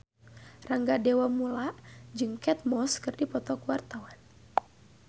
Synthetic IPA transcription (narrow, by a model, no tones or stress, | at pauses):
raŋɡadɛwamulaʔd͡ʒɨŋkɛt̪̚mɔskɨrdipɔt̪ɔkuwart̪awan